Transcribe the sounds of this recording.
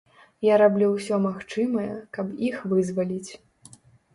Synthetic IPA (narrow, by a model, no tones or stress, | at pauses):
jaɾablʲuwsʲɔmaxt͡ʂɨmɐjɛ̰kɐpixvɨzvalʲit͡sʲ